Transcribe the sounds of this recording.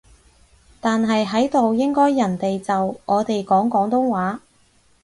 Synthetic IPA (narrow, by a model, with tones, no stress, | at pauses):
t̪aː˨nɦɐ˨jɦɐ˨˥jt̪o˨wjɪ˥ŋkɔː˥jːɐ˨˩nt̪e˨jt͡sɐ˨wʔɔː˨˧t̪e˨jkɔː˨˥ŋkɔː˨˥ŋt̪ʊ˥ŋwaː˨˥